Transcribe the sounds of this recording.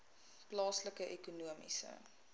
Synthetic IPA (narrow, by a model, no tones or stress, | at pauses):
plɑːsləkəʔɛkunuəmḭsə̰